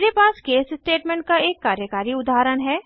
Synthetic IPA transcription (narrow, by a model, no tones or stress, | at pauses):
ɾepaːskeːssʈeːʈmẽːɳʈ̚kaeːkːaːɾjəkaːɾiʊd̪aːɾənɦɛː